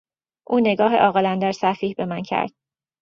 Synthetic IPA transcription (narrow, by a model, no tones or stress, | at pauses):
ʔuːne̞ɡɒːɦḛʔɒːɣelænd̪æɾsæfiːhbe̞mæncʰæ̰ɾd̪̥